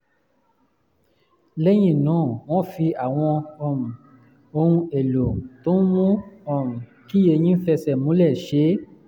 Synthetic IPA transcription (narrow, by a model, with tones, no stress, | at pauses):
le˦j̃ĩ˦˨nũː˨˦˨w̃ɔ̃˦fi˧a˨w̃ɔ̃˧ɔ˦˨mũ˨ | o˧hũ˧e˨lo˨to˨˦n̩˦mũ˦ɔ˨mũ˨ | ki˦je˧j̃ĩ˦fɛ˧sɛ˨mũ˨˦lɛ˦˨ʃe˨˦